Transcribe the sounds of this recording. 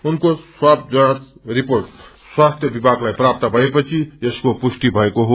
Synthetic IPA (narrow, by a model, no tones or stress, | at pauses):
unkoswab̚d͡zʌnat̪riporʈ | swast̪ʰjʌbibʱaɡlajprap̚t̪ʌbʱʌepʌt͡sʰieskopusʈibʱʌekoɦo